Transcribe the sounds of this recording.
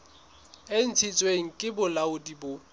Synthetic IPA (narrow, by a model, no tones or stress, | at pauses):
en̩t͡sʰit͡sʼweŋ̩kʼɪbʊlaʊdibʊ